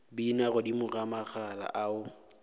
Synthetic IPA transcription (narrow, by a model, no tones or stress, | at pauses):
binaɣʊdimʊramak͡xʰala̰ʔaʊ